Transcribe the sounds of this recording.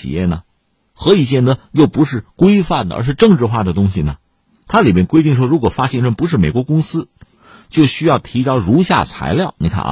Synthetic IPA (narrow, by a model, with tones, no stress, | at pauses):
ḭ˨˩jɛ̰˥˩nə˩ | xɤ˧˥i˧˨˩t͡ɕjɛ˥˩nd̪ə˩jo˥˩ʊpu˧˥ʂɻ̩˥˩kwe˥ɪfa˥˩nd̪ə˨ʔə̰˞˧˥ʂ̬ɻ̩˥˧ʈ͡ʂɤ˥˧ŋʈ͡ʂɻ̩˥˧xwa˥˩d̪ə˩t̪ʊ˥ŋɕi˨˩nə˩ | t̪ʰa˥li˨˩mjɛ˥nkwe˥ɪt̪i˥˩ŋʂ̬wɔ˥ɻu˧˥kwɔ˨˩fa˥ɕjɛ˥˧nʈ͡ʂə˥˩npu˧˥ʂɻ̩˥˩me˨˩ɪkwɔ˧˥kʊ˥ŋsɹ̩˥ | t͡ɕjo˥˩ʊɕy˥jɑ˥˩ʊt̪ʰi˧˥t͡ɕjɑ˥ʊɻu˧˥ɕja̰˥˩t͡sʰa̰˧˥ɪljɑ˥˩ʊni˨˩kʰa̰˥˩ʔ